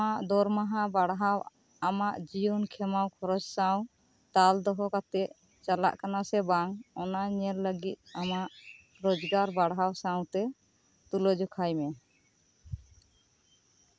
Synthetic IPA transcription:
aʔd̪ɔɾmaɦãbaɽɦaw | amaʔd͡ʒijunkʰɛmawkʰɔɾɔd͡ʒsaw̃ | t̪ald̪ɔɦɔkat̪ɛʔ̪ | t͡ʃala̰ʔkanasɛbaŋɔnaɲɛɾləɡit̪̚amaʔ | ɾɔd͡ʒɡaɾbaɽɦawsaw̃t̪ɛ | t̪ulɔd͡ʒɔkʰajmɛ

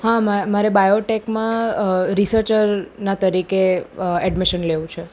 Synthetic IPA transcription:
ɦãmamaɾebajoʈekmãɾisəɾt͡ʃəɾnat̪əɾikeɛɖmiʃənleʋũt͡ʃʰe

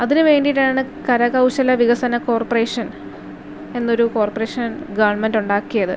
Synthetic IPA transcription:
ɐðinɨʋe̞ːɳɖijʈaːɳɨkɐɾɐɣɐwɕɐlɐʋiɣɐsɐnɐko̞ːrpɐre̞ːʂɐn | e̞nːo̞ɾuko̞ːrpɐreːʂɐnnɡɐʋɐrɳmenduɳɖaːkːijɐðɨ

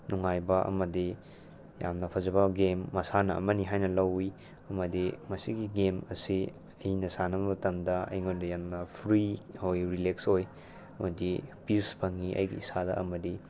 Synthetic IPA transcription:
nuŋajbɐɐ̰mɐdi | jamnɐpʰɐzɐbɐɡemːɐsanɐɐ̰mɐniɦajnɐlɐwi | ɐmɐdimɐsiɡiɡemɐsi | ɐhinɐsanɐbbɐtɐmdɐɐ̰jŋondɐjamnɐpʰɾihojɾileksoj | mɐdipispʰɐŋiʔɐ̰jɡḭisadɐ̰ɐmɐdi

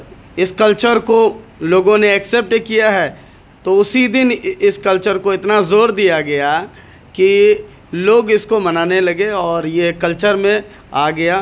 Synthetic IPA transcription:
ɪskɐlt͡ʃəɾkoloːɡõneɛksɛp̚ʈkijaɦɛː | t̪oʊsid̪ɪnɪskɐlt͡ʃəɾkoɪt̪nazoːɾd̪ijaɡɐja | ki | loːɡɪskomɐnaːnelɐɡeɔːɾjekɐlt͡ʃəɾmẽ | aːɡɐjaː

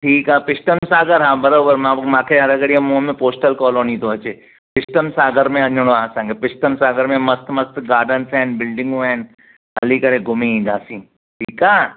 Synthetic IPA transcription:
ʈʰiːkaːpɪsʈəmsaːɡəɾɦãːbɐɾoːbəɾmãmãːkʰeɦɐɾɐɡɐɽiamõːmẽpoːsʈəlkɔːloːnit̪oɐt͡ʃeː | pɪʃʈəmsaːɡəɾmẽɐ̃nd͡ʒoɽ̃õaːsə̃ŋɡepɪsʈəmsaːɡəɾmẽmɐst̪mɐst̪ɡaːɾɖənsɛːnbɪlɖɪ̃ŋɡoɛ̃ːn | ɦɐlikɐɾeɡʊmĩd͡ʒaːsĩː | ʈʰiːkaː

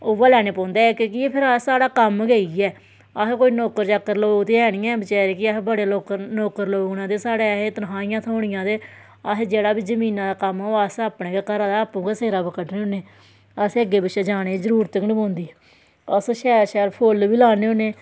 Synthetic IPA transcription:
oːʋaːlɛːneːpɔ̃ːnd̪eːkekiepʰɪɾasaːɽaːkəmɡeiɛː | əɦkoːiːnoːkəɾt͡ʃakːəɾloːɡt̪eːɛːɽ̃ijãːbət͡ʃɛːɾeːkɪabəɽeːloːknoːkəɾloːɡnãːd̪eːsaːɽeːet̪ənɦãːɪjãːt̪ʰoːɳ̃ɪjãːd̪eː | əsd͡ʒeːɽaːbiːd͡ʒəmĩːnãːd̪aːkəmoːasəːpɽeːɡeːkəɾãːd̪aːəpːũːkaseːɾaːbəkəʈneːoːneː | əseəɡeːbəʃeːd͡ʒaːɽ̃eːd͡ʒəɾuːɾt̪əknĩːpõːnd̪iːɛ | əsʃɛːʃɛːɾpʰolʋiːlaːneːõneː

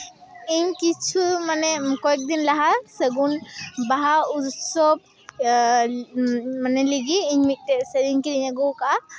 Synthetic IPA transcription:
iɲkit͡ʃʰumanɛkɔɛk̚d̪inlaɦasəɡunbaɦaut̪sɔb̚ | manɛliɡiːɲmit̪̚ˀʈɛsəɾiɲkiɾiɲaɡɔkaʔa

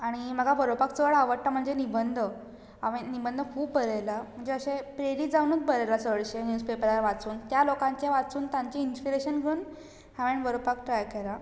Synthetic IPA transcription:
aɽ̃im̤əɡʱabəɾopakt͡səʋəɭaʋəɾʈʈam̤əɳd͡zenibənd̪ʱə | aʋenibənd̪ʱəkʰuːbːəɾajlam̤əɳd͡zeəɕẽpɾeɾiːd͡zawnəːt͡sbʱəɾajlasəɭɕenjuːspepəɾaaʋat͡suːnt̪jalokãɲt͡ɕaʋat͡suːnt̪ãɲt͡ɕiinspiɾeɕənɡʱəɾuːn | haʋeɳbəɾopakʈɾajkela

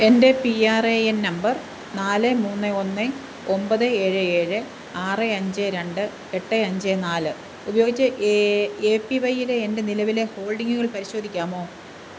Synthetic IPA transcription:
e̞nde̞piaːreennɐmbɐr | naːlɨmuːnːɨo̞nːɨ | ombɐðɨe̞ːɻɨeːɻɨ | aːrɨɐɲd͡ʑɨɾe̞ɳɖɨ | e̞ʈːɨɐɲd͡ʑɨnaːlɨ | ubɐjoːɡit͡ɕːɐʔeːpːiʋɐjile̞ːnde̞nilɐʋile̞ho̞ːɭɖiŋɡuɣɐɭpɐɾiɕo̞ːd̪ʱikʲːaːmo̞ː

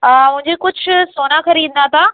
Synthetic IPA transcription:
mʊ̃ɦɪ̃ɲd͡ʑekʊd͡ʑʱʊsoːnaxɐɾiːd̪nd̪at̪ʰaː

